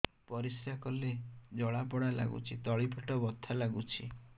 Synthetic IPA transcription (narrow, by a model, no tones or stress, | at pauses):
pɔɾisɾakɔled͡ʒɔɭapɔɽala̰ɡṵt͡ʃʰit̪ɔɭipʰɔʈɔbɔt̪ʰːalaɡut͡ʃʰḭ